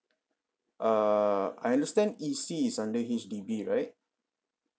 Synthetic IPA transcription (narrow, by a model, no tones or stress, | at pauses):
ʔʌa̰jãndəstɛ̃ndisisãndəɦisdibiɹaɪt̚